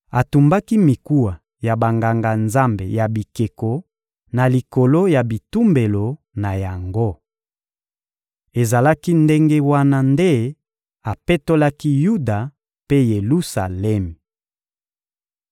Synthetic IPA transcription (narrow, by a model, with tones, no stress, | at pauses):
a˨tu˨mba˦ki˦mi˨ku˦wa˨ | ja˨ba˨ŋɡa˨ŋɡa˨nza˦mbe˨ja˨bi˨ke˨ko˨ | na˨li˨ko˨lo˦ja˨bi˨tu˦mbe˨lo˨ | na˨ja˨ŋɡo˦ | e˨za˨la˦ki˦nde˦ŋɡe˦wa˦na˦nde˦ | a˨pe˦to˦la˦ki˦ju˦da˨ | pe˦je˨lu˦sa̰˨lɛ˦mi˨